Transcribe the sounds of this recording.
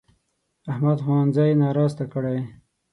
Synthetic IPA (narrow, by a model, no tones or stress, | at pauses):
ahmad̪xwɑnzɑjnɑɾɑzt̪akəɽaj